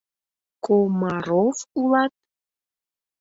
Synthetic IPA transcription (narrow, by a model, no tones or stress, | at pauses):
komaɾofulɑt̪̚